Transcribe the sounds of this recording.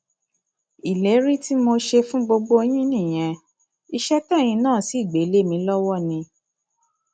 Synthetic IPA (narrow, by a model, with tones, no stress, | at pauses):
i˨le˨˦ɾi˦ti˦mo˧ʃe˧fũ˦ɡ͡bo˧ɡ͡bo˦o˧j̃ĩ˦nĩ˦˨j̃ɛ̃˧ | i˧ʃɛ˦tɛ˦˨j̃ĩ˧nãː˦˨si˨˦˨ɡ͡be˨˦le˦˨mĩ˧lɔ˦wɔ˦˨nĩ˧